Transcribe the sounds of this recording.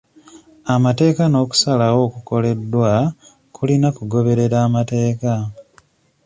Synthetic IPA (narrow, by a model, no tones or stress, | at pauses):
amate̞ːkano̞ːku̥salawo̞ːkuko̞le̞dːwa | kulinakuɡo̞βe̞ɾe̞ɾaːmate̞ːka